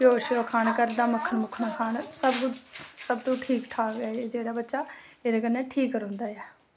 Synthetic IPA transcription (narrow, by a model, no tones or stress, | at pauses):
koːʃokʰaːnkəɾd̪aːməkʰːənmʊkʰnaːkʰaːnsəbkʊsəbt̪ũːʈʰiːkʈ̪ʰaːɡaːed͡ʒeːɽaːbətːʃaː | eːɾeːkənːɛːʈʰiːkːəɾõnd̪aːjɛː